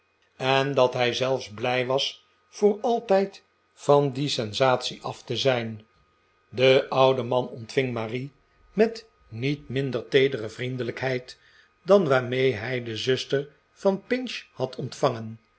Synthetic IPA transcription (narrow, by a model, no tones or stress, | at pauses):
ɛndɑtɦɛjzɛlˠfzblɛjʋɑs | fʊːɹɑlˠtɛjt | fɑndisɛnzaːtsiʔɑftəzɛjn | dəʔʌwdəmɑnɔntfɪŋmaːri | mɛt | nitmɪndəɹtejdərəvrindələkɦɛjt | dɑnʋaːɹmejɦɛjdəzɵstəɹ | fɑnpɪnʃhɑtʰɔntfɑŋən